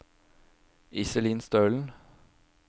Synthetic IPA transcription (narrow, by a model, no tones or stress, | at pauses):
ɪsəliːnst̪œːln̩